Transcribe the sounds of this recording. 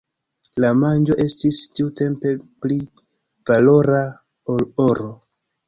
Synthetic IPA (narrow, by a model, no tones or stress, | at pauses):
lamand͡ʒo̞ʔe̞stistiute̞mpe̞pli | valo̞ɾa | olo̞ɾo̞